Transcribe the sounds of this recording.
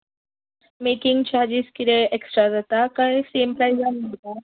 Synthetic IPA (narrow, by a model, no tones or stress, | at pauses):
mekiŋɡt͡ɕaɾd͡ʑiskit̪ẽeksʈɾad͡zat̪akaisemplajd͡zanːot̪a